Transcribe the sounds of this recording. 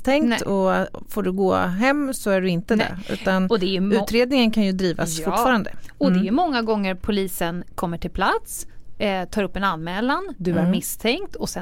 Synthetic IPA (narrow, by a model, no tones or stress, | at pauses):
t̪ʰɛŋt̪ɔ | foːɖɵɡo̰ːɦɛmːsɔæɖɵɪnt̪əd̪ɛ̰ʉ̟̰ːt̪anɔd̪ɛjɵʉ̟ːt̪ɾeːd̪nɪŋənkʰanjɵd̪ɾiːva̰ssfʊffɑːɾand̪ə̰ɔd̪ɛæjɵmɔŋːaɡɔŋːəɾpʰʊliːsənkʰɔmːəʈʰɪlpʰlat̪s | t̪ʰɑːɾɵpːɛnanːmɛːland̪ɵaɾmɪst̪ʰɛŋkt̪ɔsɛ